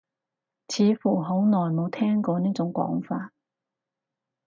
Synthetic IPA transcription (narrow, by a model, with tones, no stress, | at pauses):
t͡sʰiː˨˧fuː˨˩ɦo˨˥wnɔː˨˩jmo˨˧wt̪ʰɛː˥ŋkɔː˧niː˥t͡sʊ˨˥ŋkʷɔ̰ː˨˥ŋfaː˧t̚